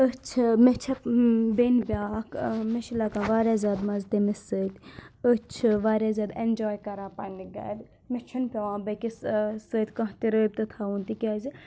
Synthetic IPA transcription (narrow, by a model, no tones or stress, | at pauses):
ət͡ʃʰmet͡ʃʰɐbenbʲaːkʰmeʃilakãʋaːɾjazʲaːd̪mɐzt̪emesət̪ʲət͡ʃʰɨʋaːɾʲjazʲaːd̪end͡ʒɔːjkɐɾaːpaniɡɐ̰ːd̪ | met͡ʃʰɐnpʲɐʋãːbɐkissət̪ʲkɐ̃ɦt̪iɾəːb̚ʲt̪ɨt̪ʰaunt̪ikʲazi